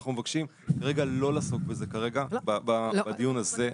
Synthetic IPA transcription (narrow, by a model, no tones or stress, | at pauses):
χnume̞vakʃim | kaʁe̞ɡalo̞laːsokbeze̞kaʁe̞ɡabababadijunaze̞